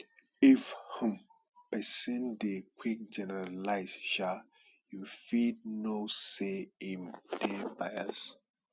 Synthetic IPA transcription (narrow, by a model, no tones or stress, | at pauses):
ifhũm | pɛsĩndekwik̚d͡ʒɛnɛɹalaɪsʃa | jufid̚noseĩndebaja̰s